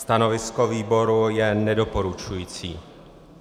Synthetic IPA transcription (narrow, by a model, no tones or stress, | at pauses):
st̪anɔvɪskɔviːbɔɾujɛnɛdɔpɔɾut͡ʃujiːt͡siː